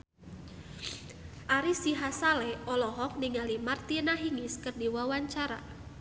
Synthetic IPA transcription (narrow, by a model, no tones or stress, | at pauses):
ʔaɾisiɦasalɛɔlɔɦɔk̚niŋalimart̪inaɦiŋɪskərdiwawaɲt͡ʃaɾa̰